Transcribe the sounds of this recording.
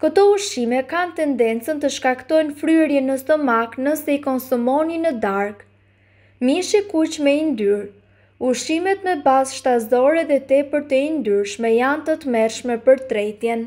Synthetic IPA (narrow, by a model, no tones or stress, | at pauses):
kət̪ɔuʃimɛkant̪ɛnd̪ɛnt͡sənt̪əʃkakt̪ɔjnfɾyɛɾjɛnəst̪ɔmaknəsɛikɔnsumɔninəd̪aɾk | miʃikut͡ʃmɛind̪yɾ | uʃimɛt̪mɛbazʃt̪azd̪ɔɾɛðɛt̪ɛpəɾt̪əind̪yɾʃmɛjant̪ət̪əmɛɾʃmɛpəɾt̪ɾɛjt̪jɛn